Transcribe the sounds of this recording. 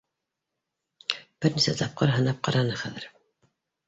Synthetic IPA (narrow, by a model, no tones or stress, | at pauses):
b̥ɘɾnisæt̪ʰɑp̚qɤɾɦɤ̆nɑp̚qɑɾɑnɤχæðɘ̆ɾ